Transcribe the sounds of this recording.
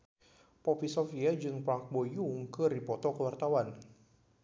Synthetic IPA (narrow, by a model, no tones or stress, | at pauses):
pɔpisɔfiad͡ʒɨŋpɾaŋk̚bojʊŋkəɾipɔt̪ɔkəwart̪awan